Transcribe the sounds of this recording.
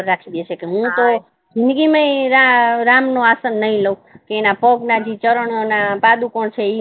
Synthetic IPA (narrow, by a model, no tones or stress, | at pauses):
əɾːakʰid̪eʃekeɦũt̪o | d͡ʒʱind̪ɡimaĩɾaɾamnõasənːəɦĩləũkeːnapəɡnad͡ʒit͡ʃəɾəɳonapad̪ukoɳt͡ʃʰei